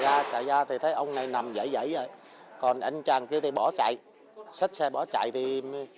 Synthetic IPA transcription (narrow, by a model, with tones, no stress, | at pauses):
zaː˧t͡ɕa̰ː˧˨jzaː˧t̪ʰi˨˩t̪ʰə˨˦jʔə˧wŋ͡mna˨˩jna˨˩mzə̰˧˩˦jzə̰˧˥jzə̰˧˨˦j | kɔ˨˩nʔa˧jŋ̟t͡ɕaː˨˩ŋki˧t̪ʰi˨˩ɓɔ˧˩˦t͡ɕa̰˧˨j | sa˦˥t̚sɛ˧ɓɔ˧˩˦t͡ɕa̰˧˨jt̪ʰi˨˩m˧